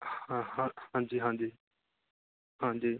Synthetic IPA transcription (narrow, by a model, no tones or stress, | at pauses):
hãɦãhãːɲd͡ʒiːɦãːd͡ʒiː | hãːɲd͡ʒiː